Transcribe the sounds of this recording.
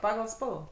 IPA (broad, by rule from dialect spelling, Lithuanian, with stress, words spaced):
ˈpɑːɡɐlˠ ˈspɐlˠʋɐ